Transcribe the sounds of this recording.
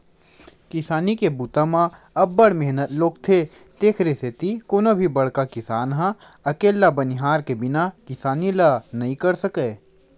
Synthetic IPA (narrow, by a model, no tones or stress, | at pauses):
kɪsaːnikebuːt̪amã | ɐbːəɽmeɦnət̪loːɡt̪ʰe | t̪eːkʰɾeset̪ikoːnobʱibɐɽ̤kakɪsaːnɦã | ɐkeːlːabɐnɪɦaːɾkebɪnakɪsaːnilanɐɦĩkɐɾsəkeː